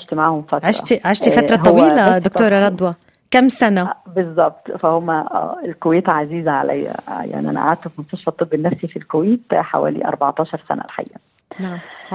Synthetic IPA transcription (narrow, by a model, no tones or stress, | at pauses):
ʕaʃt̪maʕhomfæt̪ʕaɾʃɑ̰t̪iʕaʃt̪ifæɾˤɑt̪ːˤɑwiːlæd̪ok̪̚oːɾˤɑɾˤɑd̪ˤwɑ | kæmsænæbezˤːɑb̚t̪ˤfæhomːæ̰elkoweːt̪ʕaziːzʕa̰lʔæ̰jːæ̰ja̰ʕniʔæ̰næ̰ʔʕaːd̪̚t̪æfmonst̪ɑʃfɑt̪ˤːɨbːenːæfsifilkoweːt̪ħa̰wæ̰ːlḭʔɑ̰ɾˤbɑʕt̪ˤɑːʃɑɾˤsæ̰næ̰lħa̰jːæ